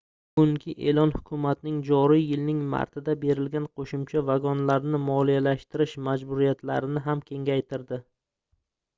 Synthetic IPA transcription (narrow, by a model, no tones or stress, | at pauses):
ɡʊŋkʲʰɪʔe̞lɒnhʊkʲʰʊmat̪nɪŋd͡ʒɒɾɪjːɪlnɪŋma̰ɾt̪ʰɪd̪abe̞ɾɪlɡʲanqʰoʃʊmt͡ʃʰavaɡɒnlaɾnɪmɒlˠijalaʃt̪ɪɾɪʃmad͡ʒbʊɾijat̪ʰla̰ɾɪnɪɦamkʲʰe̞ŋɡʲajt̪ʰɪɾd̪ɪ